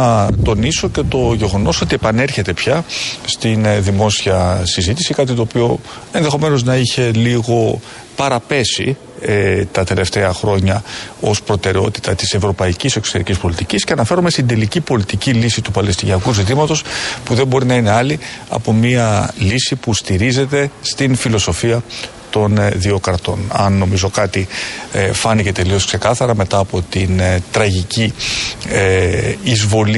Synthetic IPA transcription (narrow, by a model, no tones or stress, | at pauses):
ɐt̪o̞niso̞ce̞t̪o̞ʝe̞ɣo̞no̞so̞t̪ie̞pɐne̞ɾçe̞t̪e̞pçɐst̪inðimo̞siɐsizit̪isikɐt̪it̪o̞ːpio̞ | e̞nðe̞xo̞me̞no̞znɐiçe̞liɣo̞ | pɐɾɐpe̞sḭ | t̪ɐt̪e̞le̞ft̪e̞ɐxɾo̞ɲɐo̞spɾo̞t̪e̞ɾeo̞̰t̪i̥t̪ɐt̪ise̞vɾo̞pɐicise̞kso̥t̪e̞ɾicʲispo̞lit̪icisce̞ɐnɐfe̞ɾomest̪ind̪e̞licipo̞lit̪icilisit̪upɐle̞st̪iniɐkuzit̪̬imɐt̪o̞spuðe̞mbo̞ɾinɐine̞ɐliɐ̰po̞miɐlisipust̪iɾize̞t̪e̞st̪infilo̞so̞fiɐ | t̪o̞nðio̞kɐɾt̪o̞nɐ̰nːo̞mizo̞kɐt̪i | fɐnice̞t̪e̞lio̞skse̞kɐθɐɾɐme̞t̪ɐːpo̞t̪int̪ɾɐʝici | eizvo̞l